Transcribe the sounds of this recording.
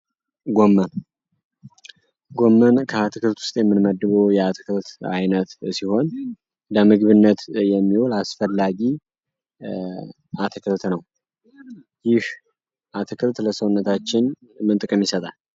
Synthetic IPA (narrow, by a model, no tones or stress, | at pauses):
ɡo̞mːən | ɡo̞mːənkʰəat̪ʰɨkʰɨlt̪wʊ̥st̪ʼjɛmːɨnməd̪ːɨβojɛat̪ʰɨkʰɨlt̪a̰jnət̪siho̞n | d̪əmɨɡβɨnːət̪jɛmːiwolasfəlːaɡi | ʔat̪ʰɨkʰɨlt̪nəw | jɪh | ʔat̪ʰɨkʰɨlt̪ləsəwʊnːət̪ʰat͡ʃːɪn | mɨnt̪ʼɨkʼɨmjɪsət̪ʼal